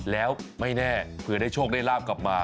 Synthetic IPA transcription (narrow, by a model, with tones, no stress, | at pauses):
lɛː˦˥wma˥˩jnɛː˥˩pʰɯ˧ɐdaː˥˩jt͡ɕʰoː˥˩k̚da˥˩laː˥˩p̚kla˨˩p̚maː˧